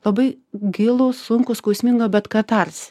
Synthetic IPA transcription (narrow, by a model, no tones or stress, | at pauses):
lˠɐbɐɪ | ɡʲɪlˠʊsʊŋkʊskɔʊsʲmʲɪŋɡobʲɛt̪kɐt̪ɐrsʲ